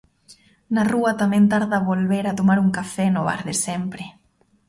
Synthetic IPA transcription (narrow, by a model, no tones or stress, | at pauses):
naruat̪amẽnt̪aɾðaβolβeɾat̪omaɾuŋkafɛnʊβa̰ɾðesempɾe